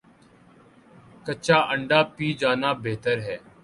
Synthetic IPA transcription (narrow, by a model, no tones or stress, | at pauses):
kət͡ʃaːʔəɳɖaːpiːd͡ʒaːnaːbeːt̪əɾɦɛː